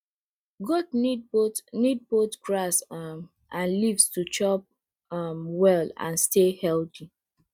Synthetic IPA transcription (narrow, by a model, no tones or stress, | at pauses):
ɡɔdnidbotnid̚botɡɹasm | ãnlivstut͡ʃɔp̚ | mwɛlã̰nstehɛlti